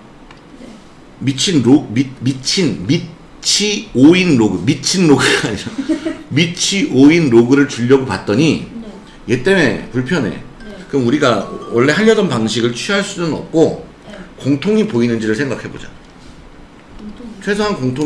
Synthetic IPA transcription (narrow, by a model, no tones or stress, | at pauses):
mit͡ɕʰinɾoimit͡ɕʰinmi | t͡ɕʰioinɾoɡɯmit͡ɕʰinɾoɡɯaeʌmit͡ɕʰiʔoinɾoɡɯɾɯɭt͡ɕuʎːʌɡopat̚t͈ʌɲi | je̞t͈e̞mepuɭpʰjʌne̞̰ | kɯmuɾiɡawʌɭːe̞ɦaʎːʌdʌnpaŋɕ̬ʰiɡɯɭt͡ɕʰiɦaɭs͈unɯnʌ̰p̚k͈o | koŋtʰoŋipoinɯnd͡ʑiɾɯɭsʰe̞ŋɡakʰhe̞bod͡ʑḁ̰ | t͡ɕʰwe̞sʰoɦankoŋtʰo